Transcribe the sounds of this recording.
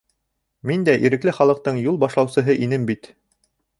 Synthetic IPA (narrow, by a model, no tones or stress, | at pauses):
mind̪æʔiɾɘ̆klɘχɑlˠɤ̆q̚t̪ɤɴjulˠbɑʃlˠɑwsɤ̆ɦɤʔinɘmbit̪